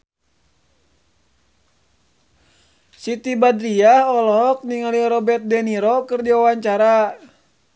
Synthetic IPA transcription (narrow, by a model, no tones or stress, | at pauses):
sit̪ibadɾiahɔlɔɦɔk̚niŋaliɾɔbɛt̪̚dɛniɾɔkɨrdiwawaɲt͡ʃaɾa